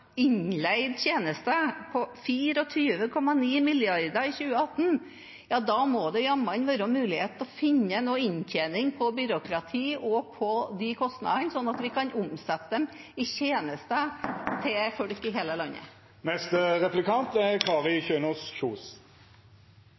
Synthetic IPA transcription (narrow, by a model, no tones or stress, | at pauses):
ɪɲlæɪd̪çeːnəst̪əpʰɔfiːɾɔt̪ʰyːʋəkʰɔmːɑniːmɪlɪɑɾd̪əɾɪçʉːəɑt̪ːn̩ | jɑːd̪ɑmɔd̪ɛjɑmːɑnʋɑːɾɔmʉːlɪheːt̪ɔfɪnːənoːɪɲçʰeːnɪŋpʰɔbʏɾʊkɾɑt̪ʰiːʔɔpʰɔd̪ɪkʰɔst̪nɑ̰d̪ənsɔnːɑt̪ʋɪkʰɑnʔʊmsɛt̪ːəd̪ɛm | ɪçeːnəst̪ət̪ʰɪfɔɽkɪɦeːləlɑɲːə̰ | mɛst̪ʁɛplɪkɑnt̪ɛɾkʰɑːʁɪçøːnusçuːs